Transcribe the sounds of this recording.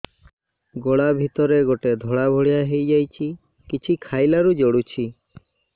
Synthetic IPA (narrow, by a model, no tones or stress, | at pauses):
ɡoɽabʱit̪ɔɾeɡoʈed̪ʱɔɽabʱoɽijaɦejd͡ʒajt͡ʃʰi | kit͡ʃʰikʰajlaɾud͡ʒoɽut͡ʃʰi